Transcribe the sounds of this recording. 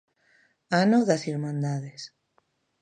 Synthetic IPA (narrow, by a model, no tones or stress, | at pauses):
anoðasiɾmãnd̪aðes